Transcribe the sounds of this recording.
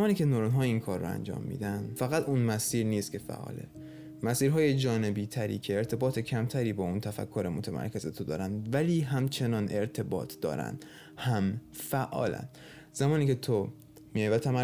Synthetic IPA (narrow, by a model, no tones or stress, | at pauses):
mɒːniːcʲʰe̞noɾonɦɒːiːnkʰɒːɾːoæ̰nd͡ʒɒ̰ːmːḭːd̪ænd̪fæɣæt̪ʰuːnmæsiːɾniːst̪̚cʰe̞fæ̰ʔːɒ̰ːlḛ | mæsiːɾɦɒːje̞d͡ʒɒːne̞biːt̪ʰæɾḭːcʰeːɾt̪ʰe̞bɒːt̪ʰe̞cʰæmt̪ʰæɾiːbɒːuːnt̪ʰæfæ̰kʰːoɾemot̪ʰæmʔæ̰ɾkʰe̞zet̪ʰod̪ɒ̰ːɾænd̪væliːɦæmt͡ʃʰe̞nɒːnʔe̞ɾt̪ʰe̞bɒ̰ːt̪ʰd̪̥ɒ̰ːɾæ̰nd̪̥ | hæmfæʔɒ̰ːlæ̰nd̪ | z̥æmɒːniːcʰe̞t̪ʰo | mijjvæt̪ʰæmæ